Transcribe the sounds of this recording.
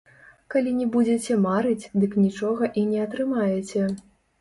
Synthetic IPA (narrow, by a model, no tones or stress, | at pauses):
kalʲinʲɛbud͡zʲɛt͡sʲɛmaɾɨt͡sʲd̪ɨknʲit͡ʂɔɣɐʔinʲɛɐt̪ɾɨmajɛt͡sʲɛ